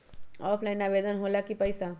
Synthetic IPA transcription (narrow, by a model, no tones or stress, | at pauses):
ɔːpʰlaɪnabed̪ənɦolakipəɪsa